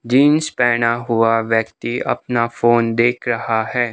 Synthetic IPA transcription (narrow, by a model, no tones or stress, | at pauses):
d͡ʒiːnspɛːɽ̃aɦʊaʋjəkt̪iɐ̰pnafoːnd̪eːkʰɾɐhaɦɛː